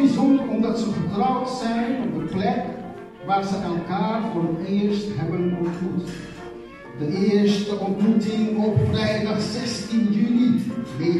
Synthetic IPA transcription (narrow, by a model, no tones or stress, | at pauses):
izɔndəɔmdɑtsəvəɹtrɔwtsɛjnɔb̚dəplɛk | ʋaːɹzəʔɛlˠkaːrvʊːrətɪəɹstɦɛbənɔntmut | dəʔɪːəɹstəʔɔntmutɪŋɔpfrɛjdɑχsɛstinjyliɦe